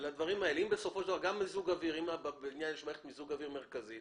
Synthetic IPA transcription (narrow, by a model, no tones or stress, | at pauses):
lad̪vaʁimae̞leimbeso̞foʃldavaʁɡambizuɡaviʁimabbeinjanjʃmaeχet̪mizuɡaviʁme̞ʁkazi